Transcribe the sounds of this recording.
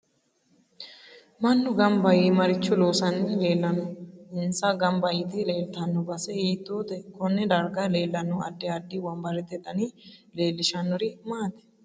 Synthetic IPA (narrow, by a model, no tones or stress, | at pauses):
mɐnːʊɡɐmbɐjimɐɾɪt͡ʃːʊloːsɐnːɛle̞ːlːɐnʊɪnsɐɡɐmbɐjɪt̪ile̞ːlt̪ɐnːɔbɐsɛiːt̪ːoːd̪ɛkɔnːɛd̪ɐɾɡaːleːlːɐnːʊɐ̰d̪ːɪɐd̪ːɪwɐmbɐɾɛt̪ɛt̪ɐniːle̞ːlːɪʃɐnːɔɾɪmaːt̪ɛ̥